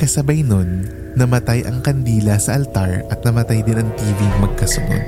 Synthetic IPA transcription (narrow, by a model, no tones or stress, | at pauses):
kɐsɐbɐjno̞nː | ɐmɐt̪ajʔɐ̰ŋkɐnd̪iːlɐsɐʔɐlt̪aɹʔɐt̪̚nɐmɐt̪ajd̪ɪnɐŋt̪iːviŋmɐɡ̚kɐsʊʔo̰d̪